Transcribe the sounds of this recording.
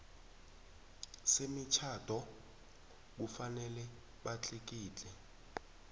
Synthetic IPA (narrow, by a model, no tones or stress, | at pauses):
semit͡ʃʰad̥ʱɔ | k̬ufanɛlɛ | ɓat͡ɬʰik̬iːt͡ɬʼɛ